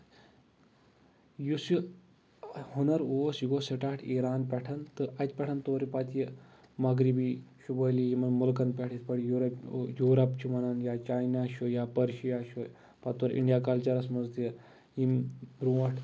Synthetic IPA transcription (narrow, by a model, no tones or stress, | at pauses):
jusu | hunɐɾoːsjiɡoseʈaːʈʰiɾaːnpʲɛʈʰɐnt̪ɨʔɐt̪̚ʲpʲɛʈʰɐnt̪oɾipat̪jəmaɡɾibiːʃubəlijimɐnmulkɐnpʲɛʈʰit̪pɐɽjuɾɐpjuːɾɐpt͡ʃʰimɐnanjat͡ʃajnaʃojapɐɾʃijaʃo | pat̪oɾʔḭɳɖijakɐlt͡ʃɐɾɐsmɐzt̪jə | imbɾuʋɐʈʰ